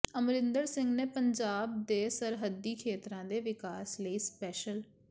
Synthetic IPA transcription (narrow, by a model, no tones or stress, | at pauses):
əmɾɪ̃nd̪əɾsɪ̃ŋɡneːpəɲd͡ʒaːb̚d̪eːsəɾɦəd̪ːiːkʰeːt̪ɾãːd̪eːʋɪkaːsləiːspɛːʃəl